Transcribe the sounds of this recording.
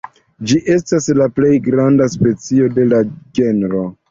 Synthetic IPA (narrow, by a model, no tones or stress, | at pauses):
d͡ʒiʔe̞staslaple̞jɡɾandaspe̞t͡sio̞de̞lad͡ʒe̞nɾo̞